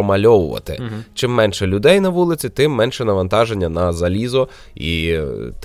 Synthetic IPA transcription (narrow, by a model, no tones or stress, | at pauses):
ɔmɐlʲɔʋʊʋɐ̰t̪ɪ̰t͡ʃɪmːɛnʃɛlʲʊd̪ɛjnɐʋulˠɪt͡sʲit̪ɪmːɛnʃɛnɐʋɐnt̪ɑʒenʲːɐnɐzɐlʲizɔ | ḭt̪